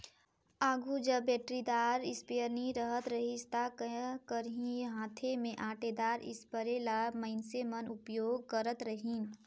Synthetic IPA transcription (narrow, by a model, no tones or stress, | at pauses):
aːɡʱud͡ʒəbːɛːʈɾid̪aːɾɪspejəɾniɾəɦət̪ɾəɦɪst̪akkəɾɦĩjɦãːt̪ʰemẽʔaːʈed̪aːɾɪ̰spəɾelamɐɪnsemənʊpjoːɡ̚kəɾət̪ɾəɦĩːn